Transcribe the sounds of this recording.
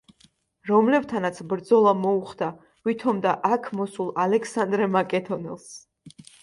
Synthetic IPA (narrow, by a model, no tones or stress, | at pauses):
ɾɔmlɛvt̪ʰanat̪sʰbɾd̪zɔlˠamɔuχd̪a | vit̪ʰɔmd̪aʔakʰmɔsulˠalɛkʰsand̪ɾɛmakʼɛd̪ɔnɛ̰lˠs